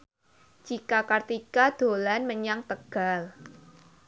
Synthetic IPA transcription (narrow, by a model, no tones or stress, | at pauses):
d͡ʒ̥ikakart̪ikad̪̥o̤lanməɲaŋt̪əɡ̥a̤l